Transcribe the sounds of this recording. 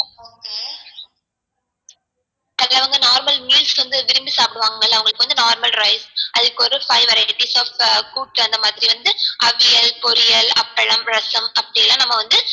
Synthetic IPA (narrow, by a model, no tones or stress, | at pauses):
ɐlɐʋɐŋɡɐnaːɾmɐlmiːlsʋɐnd̪ɯʋɪɾɪmbisaːpɪɽɯʋaːŋɡɐlːaɐʋɐŋɡɐɭɯkːɯʋɐnd̪ɯnaːɾmɐlɾɐɪsʔɐðɯkːɯɔɾɯfɐɪʋɐɾɐpiːsaːfkuːʈːɐnd̪ɐmaːðɪɾiʋɐnd̪ɯʔɐʋɪjɐlpɔɾɪjɐlɐ̰pːɐɭɐmɾɐsɐmɐpːɐɽɪjɐlːãːnɐmːɐʋɐnd̪ɯ